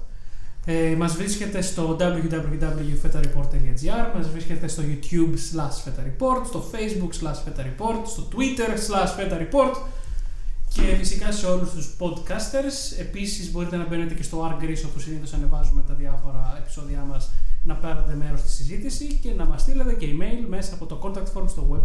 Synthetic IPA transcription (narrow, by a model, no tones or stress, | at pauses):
emɐzvɾisce̞t̪e̞st̪o̞d̪ɐblʝud̪ɐbljud̪ɐbluljufet̪ɐɾipo̞ɾt̪eliɐd͡ziɐɾmɐzvɾisce̞t̪e̞st̪o̞ʝut̪jubslɐʃfe̞t̪ɐɾipo̞ɾt̪st̪o̞fe̞jzbukslɐsfet̪ɐɾipo̞ɾt̪st̪o̞t̪wit̪e̞ɾslɐʃfet̪ɐɾipo̞ɾt̪ | ce̞fisikɐse̞o̞lust̪uspo̞d̪kɐst̪e̞ɾse̞pisizbo̞ɾit̪enɐbe̞net̪e̞ce̞st̪o̞ɐɾɡɾiso̞posiniθosɐne̞vɐzumet̪ɐðiɐfo̞ɾɐepi̥so̞ðiɐmɐsnɐpeɾnet̪e̞meɾo̞st̪i̥sizit̪isice̞nɐmɐst̪ile̞t̪e̞ce̞ime̞jlme̞sɐːpo̞t̪oko̞nt̪ɐk̚t̪foɾst̪o̞ɣweb